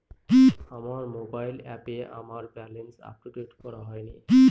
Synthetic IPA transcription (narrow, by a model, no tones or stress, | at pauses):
kiamaɾmobajlɛpeʔa̰maɾbɛlensa̰pʈuʈeʈkɔɾaɦɔjniki